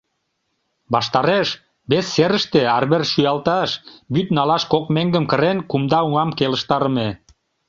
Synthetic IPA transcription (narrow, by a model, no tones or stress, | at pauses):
bɑʃt̪ɑɾeʃ | βesːeɾəʃt̪eɑrβerʃyjɑlt̪ɑʃbyt̪nɑlɑʃkokmeŋɡəmkə̆ɾenkumd̪ɑuŋɑmkelə̆ʃt̪ɑɾəme